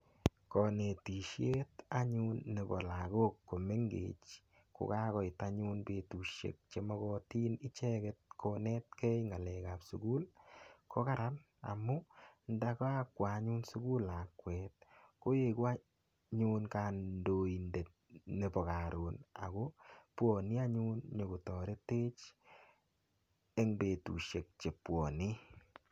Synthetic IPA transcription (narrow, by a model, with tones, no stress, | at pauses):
kɔ˨ne˨ti˨ʃje˦ta˦ɲunːe˨bɔ̰˨laɡo˦kːo˨me˦ŋɡḛt͡ʃ | ko̰˨ka˦kɔ˨ɪta˦ɲu˦nbe˨tu˨ʃḛ˨k̚t͡ʃe˨mɔ˦kɔ˧ti˦nɪ˦t͡ʃɛ˦kɛt̚kʰonɛ˦tkɛ˦jŋa˨lɛka˨psuɡu˦lkʰo˦ka˦ɾa˦n | a̰˨mʊ˦nda˦ka˦a˨kwa˨˦ɲu˦nsu˦ku˦la˨kwɛ˨t̚ko˦je˨ko˦a˦ | ɲunka˨ndo˨i˨nde˨t̚ne˨pɔ˨ka˨ɾo˨na̰˨ɡo˦pwɔ˨ni˦a˦ɲu˦nɲo˨ɡo˨tɔ˨ɾe˦teː˦t͡ʃ | e˦ŋbe˨tṵ˨ʃe˨k̚t͡ʃe˨pwɔ˨ni˦